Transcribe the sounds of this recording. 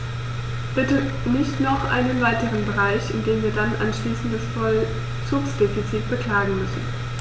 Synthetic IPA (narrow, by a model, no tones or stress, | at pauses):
b̥ɪtə | nɪçtnɔχʔa̰ɪnənvaɪtəʁənbəʁaɪçɪndeːmviːɐdanʔa̰nʃliːsn̩td̥asfɔl | t͡suːksd̥efit͡siːt̚b̥əkl̥aːɡŋ̩mʏsn̩